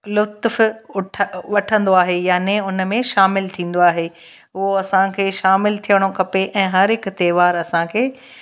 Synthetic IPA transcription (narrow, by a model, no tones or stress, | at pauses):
lʊt̪fʊʈʰʋɐʈʰə̃nd̪oaːɦejaːneʊnmẽʃaːmɪlt̪ʰĩːn̆d̪oaːɦeː | ɦʊɦoɐsãkʰeːʃaːmɪlt̪ʰijəɽ̃okʰɐpeʔɛ̃ːɦɐɾɦɪkt̪ɛːʋaːɾɐsãkʰeː